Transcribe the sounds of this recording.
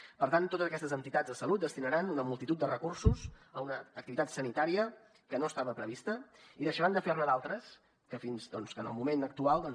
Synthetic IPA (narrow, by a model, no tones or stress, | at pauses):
pəɾt̪ant̪ːot̪əzəkɛst̪əzənt̪it̪ad͡zðəsəlut̪̚d̪əst̪inəɾanunəmulˠt̪it̪ut̪̚d̪ərəkursuzəunəːk̚t̪iβit̪at̪sənit̪aɾiə | kənoəst̪aβəpɾəβist̪əiðəʃəɾand̪əfernəðalˠt̪ɾəs | kəfinzd̪ɔnskənə̰lˠmumenək̚t̪ualˠd̪ɔ